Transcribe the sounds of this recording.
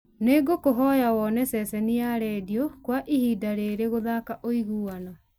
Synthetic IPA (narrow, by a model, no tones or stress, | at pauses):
neɡokoɦɔjawɔnɛsɛsɛniaɾɛːdiɔkwaʔihiːdaɾeɾeɣoðakaʔoiɣuanɔ